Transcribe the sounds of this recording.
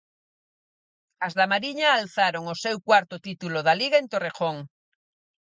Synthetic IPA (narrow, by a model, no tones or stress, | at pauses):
azðamaɾiɲaːlθaɾoŋosewkwaɾt̪ot̪it̪uloðaliɣaent̪orexoŋ